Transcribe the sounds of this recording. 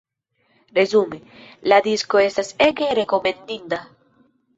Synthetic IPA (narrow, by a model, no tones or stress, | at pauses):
ɾezumelad̪iskoest̪aseɡeɾekomend̪ind̪a